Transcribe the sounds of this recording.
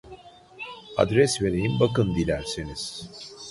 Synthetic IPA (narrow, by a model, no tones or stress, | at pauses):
a̰d̪ɾɛsve̞ɾejimbakɯnd̪ilʲæɾsiniz̥